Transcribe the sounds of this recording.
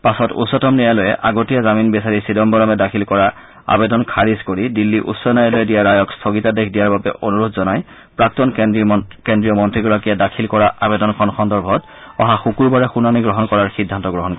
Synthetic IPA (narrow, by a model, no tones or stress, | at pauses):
pasɔtṵsɔtɔmnijajlɔjɛ̰ʔaɡotijazaminbɛsaɹisidɔmbɔlɔmɛdakʰilkɔɹa | a̰bɛdɔnkʰaɹiskoɹidilːiʔṵsːɔnajalɔjɛdijaɹajɔkstʰoɡitadekʰdijaɹbabɛʔonuɹodzɔnaj | pɹak̚tɔnkendɹijɔmɔntɹiɡɔɹakijadakʰilkɔɹaʔabɛdɔnkʰɔnxʰɔndɔɹbʱɔt | ɔɦaxukuɹbaɹɛxunaniɡɹɔɦɔnkɔɹaɹxidʱːantɔɡɹɔɦɔnk